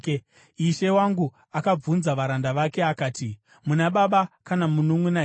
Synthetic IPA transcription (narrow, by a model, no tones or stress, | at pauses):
iʃe̞waŋɡu | akab͡vunzaʋaɾandaʋake̞akaːti | munaɓaɓakanamunumwena